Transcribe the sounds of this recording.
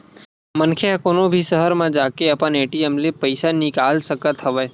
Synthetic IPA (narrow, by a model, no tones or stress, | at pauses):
mənkʰeãkonõbʱisəɦəɾmãd͡ʒaːkeɐpəneːʈiemlepəɪsanɪkaːlsəkət̪ɦɐʋeː